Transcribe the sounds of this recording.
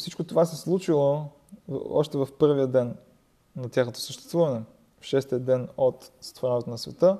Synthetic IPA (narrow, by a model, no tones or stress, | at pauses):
fsit͡ʃkot̪ovasɛslˠut͡ʃilˠo̰ | ɔ̰ʃt̪ɛvɐfpɤɾviəd̪ɛnː | ɐt̪ʲjaxnot̪o̥səʃt̪ɛst̪vuvɐnɛ | fʃɛst̪iəd̪ɛnot̪sə̥t̪voɾɛnɛt̪onɐsvɛt̪ɤ